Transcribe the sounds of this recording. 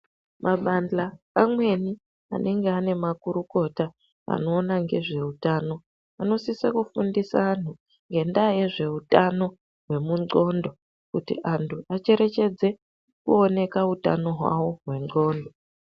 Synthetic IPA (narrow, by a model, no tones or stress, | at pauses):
mʔaɓand͡ɮaː | mwe̞ni | a̰neŋɡe̞ane̞makuɾuko̞ta | a̰no̞ːnaŋɡe̞ʐe̞utaːno̞ | ano̞sisekufundisaːn̤u | ŋɡe̞ndaje̞ʐe̞utano̞ | ɦwe̞muŋ͡ǀo̞ndo̞ | kutḭʔantʰuat͡ʃe̞ɾe̞t͡ʃe̞d͡ze̞ | kṵo̞ne̞kauta̰no̞ɦwa̰wo̞ɦwe̞ŋ͡ǀo̞ːndo